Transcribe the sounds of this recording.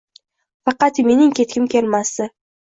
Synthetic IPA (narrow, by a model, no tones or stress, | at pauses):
fɑqɑt̪me̞nɪŋkʲʰe̞t̪̚kʲɪmkʲʰe̞lmasɪ